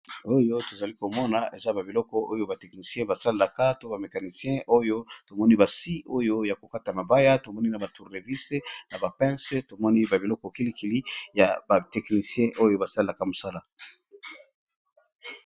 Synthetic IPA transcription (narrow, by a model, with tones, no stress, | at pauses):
o˦jo˦to˨za˨li˦ko˨mɔ˦na˨ʔe˨za˦ba˨bi˨lɔ˦kɔ˦ʔo˦jo˦ba˨tɛ˨kni˨sjɛ̃˦ba˨sa˦le˦la˨ka˦to˦ba˨me˨ka˨ni˨sjɛ̃˦ʔo˦jo˦to˨mɔ˦ni˦ba˨si˦ʔo˦jo˦ja˨ko˨ka˦ta˨ma˨ba˦ja˦to˨mɔ˦ni˦na˨ba˨tu˨ʁde˨vi˦se˦na˨ba˨pɛ̃˦se˦to˨mɔ˦ni˦ba˨bi˨lɔ˦kɔ˨ki˦li˦ki˨li˦ja˨ba˨tɛ˨kni˨sjɛ̃˦ʔo˦jo˦ba˨sa˦le˦la˨ka˦mo˨sa˦la˦